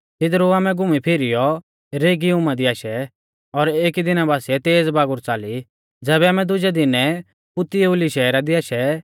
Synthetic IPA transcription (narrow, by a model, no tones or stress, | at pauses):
t̪ɪd̪ɾuaːmɛ̃ɡʊmipʰeːɾijɔ | ɾeːɡiʊmad̪iaːʃɛ | ɔɾeːkid̪ɪnabaːsiɛt̪eːd͡zbaːɡʊɾt͡saːli | d͡zɛːβɛaːmɛ̃d̪ʊd͡ʒɛd̪ɪnɛ | pʊt̪ijeʊliʃɛːɾad̪iaːʃɛ